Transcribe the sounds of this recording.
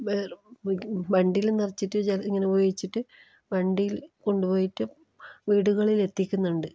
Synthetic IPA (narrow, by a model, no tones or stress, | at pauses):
ʋer | bɐɳɖijilenːɐrɐt͡ɕːiʈːɨd͡ʑeliŋːɐneubɐjit͡ɕːiʈːɨ | bɐɳɖijilko̞ɳɖupo̞ːjiʈːɨ | ʋiːɽuɣɐɭile̞t̪ːikʲːunːuɳɖɨ